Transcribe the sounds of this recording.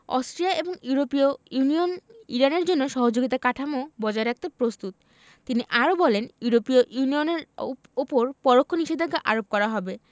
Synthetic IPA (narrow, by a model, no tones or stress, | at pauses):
ɔ̰sʈɾiaʔeboŋjuɾopiounioniɾaneɾd͡ʑonːoʃɔɦod͡ʑoɡit̪akaʈʰamobɔd͡ʑaeɾak̚t̪epɾost̪ut̪ | t̪iniʔaɾobɔlenjuɾopioʔunioneɾ | upoɾpɔɾokʰːoniʃed̪ʱeɡaʔaɾop̚kɔɾaɦɔbe